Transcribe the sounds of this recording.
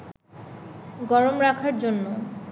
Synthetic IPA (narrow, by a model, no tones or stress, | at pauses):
ɡɔɾomɾakʰaɾd͡ʑonːo